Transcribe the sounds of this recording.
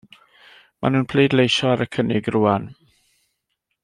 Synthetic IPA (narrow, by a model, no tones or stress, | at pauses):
mʔa̰nuːnpʰl̥iːdlejʃɔaɾəkʰənɪɡruːan